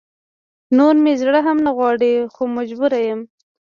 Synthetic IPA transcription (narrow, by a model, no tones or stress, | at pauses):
noɾmezɽəɦamnaɣwɑɽexomad͡ʒbuɾajəm